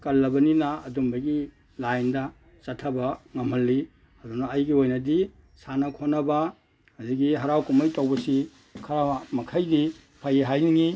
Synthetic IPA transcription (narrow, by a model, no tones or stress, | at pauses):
kɐlːɐbɐninaːdumbɐɡi | lajndɐ | t͡ʃɐtʰːɐbɐŋɐmhɐlːi | ɐdunaɐjɡiojnɐdi | sanɐkʰonɐba | haziɡiɦɐɾawkumajtawbɐsi | kʰɐɾamɐkʰajdi | pʰajiɦajniŋi